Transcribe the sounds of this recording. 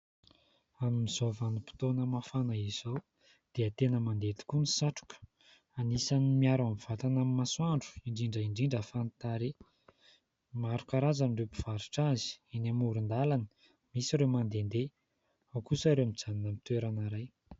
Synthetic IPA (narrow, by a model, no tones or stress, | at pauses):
amimiz̥ovanipi̥t̪onəmafanaiz̥ow | d̪̥eət̪enəmand̪et̪i̥kunisaʈ͡ʂu̥kə̥ | anisanimiaɾamiv̥at̪anamimaswaɳɖ͡ʐu̥iɳɖ͡ʐiɳɖ͡ʐəiɳɖ͡ʐiɳɖ͡ʐəfant̪aɾe | maɾukaɾazanɖ͡ʐepi̥v̥aɾiʈ͡ʂazi̥inamuɾund̪alani̥ | misiɾewmand̪end̪e | awkusaɾemid͡zaninəmit̪weɾanaɾaj